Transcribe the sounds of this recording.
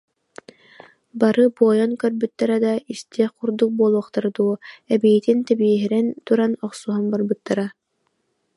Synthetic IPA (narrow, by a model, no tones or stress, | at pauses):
baɾɯbuɔjɔnkœɾbyt̪ːaɾad̪ɑist̪ʰiɛquɾd̪uk̚buɔlˠuɔqt̪aɾd̪uɛbijit̪int̪ɛbiɛɦiɾɛnt̪uɾanɔqsuɦɔnbaɾbɯt̪ːaɾa